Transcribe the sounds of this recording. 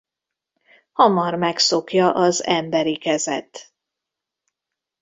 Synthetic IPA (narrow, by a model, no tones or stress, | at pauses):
hɒmɒrmɛkso̞kjɒʔɒzɛmbɛɾikɛzɛ̰t̪